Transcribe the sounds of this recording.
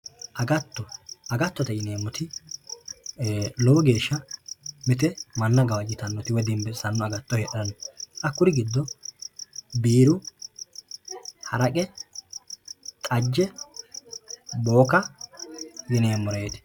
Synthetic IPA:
ʔɐɡɐt̪ːɔɐɡɐt̪ːɔt̪ɐjɪneːmːɔt̪ɪ | lɔwɔɡe̞ːʃːɐmɛt̪ɛmɐnːɐɡɐwɐd͡ʒɪt̪ɐnːɔt̪ɪwɔd̪ɪmbɛsɐnːɔɐɡɐt̪ːɔhɛʔɐɾɐnɔʔɐkːʊɾɪɡɪd̪ːɔ | biːɾʊ | hɐ̰ɾɐkʼɛ | t̪ʼɐd͡ʒːɛ | boːkɐ | jɪne̞ːmːɔɾeːt̪ɪ̥

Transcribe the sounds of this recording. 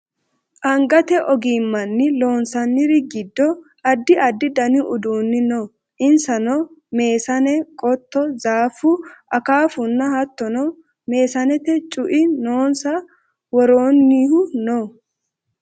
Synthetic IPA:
ʔɐŋɡɐt̪ɛʔɔɡiːmːɐnːɪlo̞ːnsɐnːɪɾɪɡɪd̪ːɔ | ɐd̪ːɪʔɐd̪ːɪd̪ɐnɪʔʊd̪uːnːɪno | ʔɪnsɐnɔme̞ːsɐnɛkʼɔt̪ːɔzaːfːʊʔɐkaːfʊnːɐhɐt̪ːɔnɔ | me̞ːsɐnɛt̪ɛt͡ʃʼʊʔɪnoːnsɐ | wɔɾoːnːiːhʊno

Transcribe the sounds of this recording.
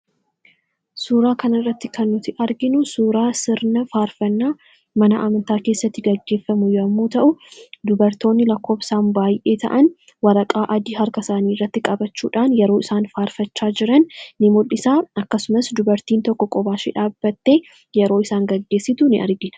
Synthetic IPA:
suːɾaːkɐnɐrːɐt̪ːɪkɐnːʊt̪ɪʔɐɾɡɪnʊsuːɾaːsɪɾnɐfaːɾfɐnːaː | mɐnɐʔɐ̰mɐnt̪aːke̞ːsːɐt̪ːɪɡɐɡːe̞ːfːɐmʊjɐmːuːt̪ɐʔʊd̪ʊbɐɾt̪o̞ːnːɪlɐkːo̞ːfsaːmbaːjʔe̞ːt̪ɐ̰ʔɐn | wɐɾɐkʼaːʔɐd̪iːɦɐɾkɐsaːniːrːɐt̪ːɪkʼɐbɐt͡ʃːṵːᶑaːnjɛɾoːɪsaːnfaːɾfɐt͡ʃːaːd͡ʒɪɾɐnnɪmʊlɪsaːɐkːɐsʊmɐsd̪ʊbɐɾt̪iːnt̪ɔkːɔkʼɔbaːʃḭːᶑaːbːɐt̪ːe | jɛɾo̞ːɪsaːŋɡɐɡːe̞ːsːɪt̪ʊnɪʔɐ̰ɾɡɪnɐ̥

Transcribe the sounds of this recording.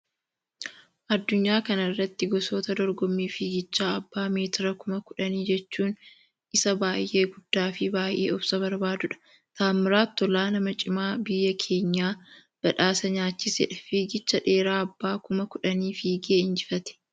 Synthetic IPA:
ʔɐd̪ːʊɲːaːkɐnɐrːɐt̪ːɪɡɔso̞ːt̪ɐd̪ɔɾɡɔmːiːfiːɡɪt͡ʃːaːɐbːaːme̞ːt̪ɪɾɐkʊmɐkʊᶑɐniːd͡ʒɛt͡ʃːuːn | ɪsɐbaːjʔe̞ːɡʊd̪ːaːfɪbaːjʔe̞̰ːɔbsɐβɐɾbaːd̪ʊᶑɐ̥ | t̪aːmːɪɾaːt̪ːɔlaːnɐmɐt͡ʃʼɪmaːbɪjːɐkʰe̞ːɲːaː | b̥ɐᶑaːsɐɲaːt͡ʃːɪsɛ̰ᶑɐfiːɡɪt͡ʃːɐᶑe̞ːɾaːɐbːaːkʊmɐkʊᶑɐniːfiːɡeːɪnd͡ʒɪfɐt̪ɛ̥

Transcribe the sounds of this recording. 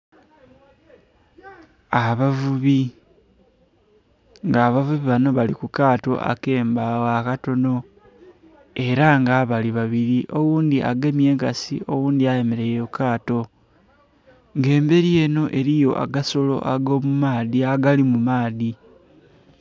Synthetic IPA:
aβavuβi | ŋɡaːβavuβiβano̞βalikukaːto̞̰ʔa̰ke̞ːmbawakato̞no̞ | e̞ɾaŋɡaβaliβaβiɾiʔo̞wuːnd̪iʔaɡe̞mje̞ːŋkasḭo̞wuːnd̪iajemeɾe̞jokaːto̞ | ŋɡe̞ːmbe̞ɾije̞ːno̞ʔe̞ɾijo̞ʔa̰ɡaso̞lo̞̰ʔaɡo̞mumaːðiaɡalimumaːði

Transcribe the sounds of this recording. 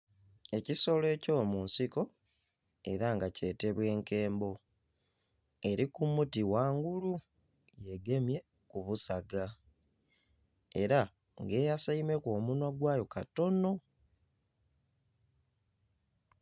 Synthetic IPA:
e̞ciso̞le̞ːco̞munsiko̞ | e̞ɾaŋɡace̞ːte̞βwe̞ːŋke̞ːmbo̞ | e̞ɾikumutiwaːŋɡulu | je̞ɡe̞mje̞ | kuβusaɡa | e̞ɾa | ŋɡe̞ːjasaime̞ko̞ːmunwaɡwaːjo̞kato̞no̞

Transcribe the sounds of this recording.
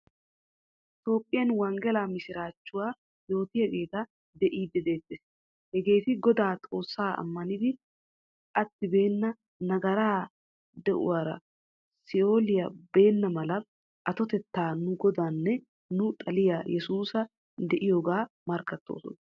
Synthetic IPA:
ɪt̪o̞ːpʼːɪjɐnwɐŋɡɛlaːmɪsɪɾaːt͡ʃːʊwaː | jo̞ːt̪ɪhɛɡe̞ːt̪ɐ | d̪ɛʔiːd̪ːɛd̪e̞ːt̪ːeːs | hɛɡe̞ːt̪ɪɡɔd̪aːt̪ʼo̞ːsːaːɐ̰mːɐnɪd̪ɪ | ʔɐt̪ːɪbe̞ːnːɐ | nɐɡɐɾaː | d̪ɛʔʊ̰waːɾɐ̰ | sɪo̞ːlɪjɐbe̞ːnːɐmɐlɐ | ʔɐt̪ɔt̪ɛt̪ːaːnʊɡɔd̪aːnːɛ | nʊt̪ʼɐlɪjajɛsuːsɐ | d̪ɛʔɪjoːɡaːmɐɾkːɐt̪ːo̞̰ːsɔ̰n

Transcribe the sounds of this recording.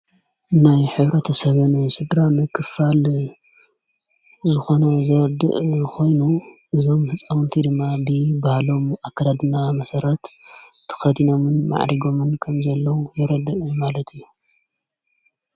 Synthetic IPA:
najħɨβɾɐt̪ʰɐsɐβɨnsɨd̪ɾamɨkʰːɨfal | zɨxo̞nɐzɐɾɐd̪ɨ̰ʔxʰo̞jnuʔɨzo̞mhɨt͡sʼawɨnt̪ʰid̪ɨmːabɨbahalo̞makːad̪ad̪ɨnamɐsɐɾɐt̪t̪ʰːɨ̥xɐd̪ino̞mɨnma̰ʕɾiɡo̞mɨnkʰɐmzɐlːɐwujɪɾɐd̪ɨʔɨmalɐt̪ʰijːu

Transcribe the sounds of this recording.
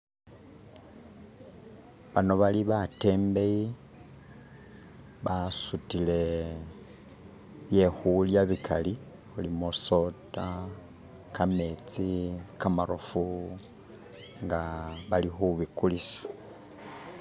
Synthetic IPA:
βano̞βaliβate̞ːmbe̞ji | βasutile̞ | βjexuljaβikʰali | xulimoso̞ta | kame̞t͡sikamaɾofu | ŋɡaβalixuβikulisḁ

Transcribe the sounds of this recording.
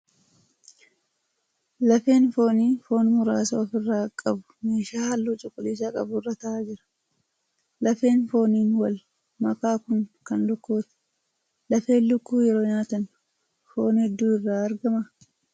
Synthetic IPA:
lɐfe̞ːnfo̞ːniːfo̞ːnmʊɾaːsoːfɪrːaːkʼɐbʊ̥me̞ːʃaːhɐlːuːt͡ʃʼʊkʼːʊliːs̬akʼɐ̰bʊrːɐt̪ɐʔaːd͡ʒɪɾɐ̥ | lɐfe̞ːnfo̞ːniːnwɐl | mɐkaːkʊŋkɐnlʊkːuːt̪ɪ̥ | lɐfe̞ːnlʊkːuːjɛɾo̞ːɲaːt̪ɐn | foːnhɛd̪ːuːɪrːaːɐɾɡɐmɐ

